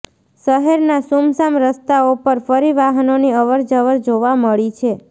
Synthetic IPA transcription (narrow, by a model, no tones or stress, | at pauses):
ʃəɦɛɾnasumsamɾəst̪aopəɾfəɾiʋaɦənoniəʋəɾd͡ʒəʋəɾd͡ʒoʋaməɭit͡ʃʰe